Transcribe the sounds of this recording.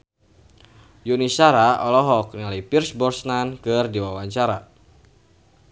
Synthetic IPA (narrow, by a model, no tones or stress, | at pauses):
junisaɾaɔlɔɦɔk̚nilajpirsbɔrsnankɨrdiwawaɲt͡ʃaɾa